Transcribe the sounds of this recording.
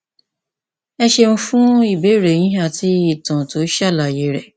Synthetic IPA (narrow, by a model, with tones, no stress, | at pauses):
ɛ˦ʃe˧ñ̩˦fũ˦i˦˨be˨˦ɾe˨j̃ĩ˦ɦa˦˨tʰi˦i˦˨tã˨to˨˦ʃa˦˨la˨je˨˦ɾɛ˨